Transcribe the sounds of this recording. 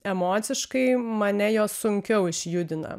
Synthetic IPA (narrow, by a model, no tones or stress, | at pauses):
ɛmoːt̪sʲɪʃkɐɪmɐnʲɛjoːssʊŋʲkʲɛʊɪʃʲjʊd̪ʲɪnɐ̰